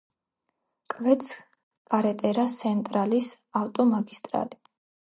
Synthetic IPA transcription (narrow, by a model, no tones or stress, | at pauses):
kʼvɛt̪sʰ | kʼaɾɛt̪ʼɛɾasʰɛnt̪ʼɾalis | aft̪ʼɔmaɡist̪ʼɾa̰li